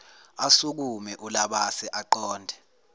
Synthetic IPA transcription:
asuk̬umɛʔulaɓasɛʔaǃɔːndʱɛ

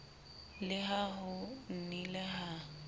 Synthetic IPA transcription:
lɪɦaɦʊn̩nilɪɦa

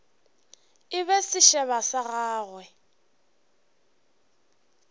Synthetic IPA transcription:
ɪβɛsɪʃɛβasaɣaːɣwɛ

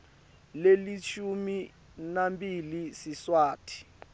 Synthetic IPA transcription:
lelit͡ʃʰumi | nambilisiswaːtʰi̥

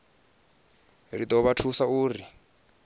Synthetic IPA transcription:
rit̪ɔβatʰusauːri

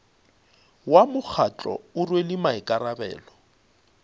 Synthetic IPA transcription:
wamʊk͡xʰat͡ɬʼɔ̰ʊrwelɪmaɪkʼaɾabɛ̰ːlɔ

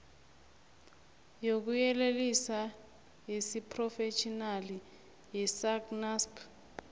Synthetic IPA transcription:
jok̬ujɛlelisa | jisipʰʼrɔfet͡ʃʰʼinali | jɛsaknaspʰ

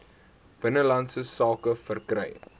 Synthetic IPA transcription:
b̥ənəlɐntsəsɑːkəfərkrɛj

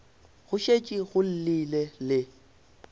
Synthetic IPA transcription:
ɣʊʃet͡ʃʼiɣʊl̩lilelɪ

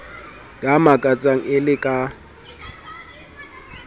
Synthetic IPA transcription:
jamakʼat͡sʼaŋ̩ɪlɪkʼa

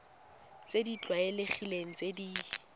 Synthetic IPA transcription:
t͡sedit͡ɬʼwaeleχileŋ̩t͡sʼedi

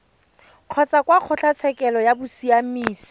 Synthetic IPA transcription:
q͡χʰɔt͡sakwaq͡χʰɔɬat͡sʰɛkʼɛlɔjabʊsiamiːsi̥

